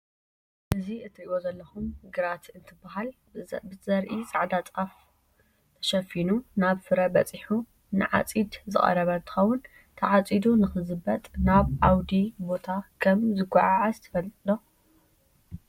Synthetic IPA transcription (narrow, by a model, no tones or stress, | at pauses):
ʔɨziʔɨt̪ʰːɾiʔozɐlːɐxumɡɨɾat̪ʰɨnt̪ʰɨbːaɦal | bɨzɐɾʔit͡sʼaʕd̪at͡sʼaf | t̪ʰɐ̥ʃɐfinunaβfɨɾɐbɐt͡sʼiħu | nɨʕa̰t͡sʼid̪zɨχʼɐ̰ɾɐβɐnt̪ʰɨ̥xɐwʊn | t̪ʰɐʕat͡sʼid̪unɨxɨzɨbɐt̪ʼnaβʔawd̪ibo̞t̪ʰakʰɐmzɨɡʷaʕaʕazt̪ʰɐ̥fɐlt̪ʼd̪o